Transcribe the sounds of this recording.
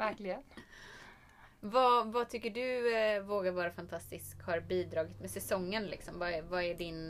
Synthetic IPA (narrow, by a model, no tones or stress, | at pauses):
væɾklɪɡən | vavat̪ʰʏkːəɖɵvoːɡaɾvɑːɾafant̪ʰast̪ɪskhaɾbiːd̪ɾɑːɡət̪mɛsɛsɔŋːənlɪ̰ksɔmvaɛvaæɖɪn